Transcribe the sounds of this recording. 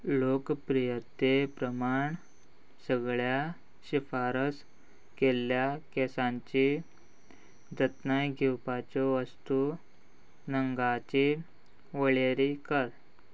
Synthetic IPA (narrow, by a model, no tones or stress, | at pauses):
lokpɾijət̪ːepɾəmaɳ | səɡɭja | ɕifaɾəs | kelːjakɛsãɲt͡ɕi | d͡zət̪najɡʱiwpat͡ɕɔʋəst̪u | nəŋɡat͡ɕi | ʋəɭeɾikəɾ